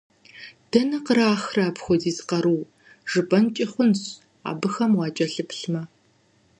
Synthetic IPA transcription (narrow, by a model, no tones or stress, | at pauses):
d̥ɐnɐqəraːxraːpxʷɔziːzqɐɾuː | ʒ̥ɨbɐnt͡ʃʼɪχʷʊnɕ | a̰ːbɨxɐmwɑːd͡ʒʼɐɬɨpɬmɐ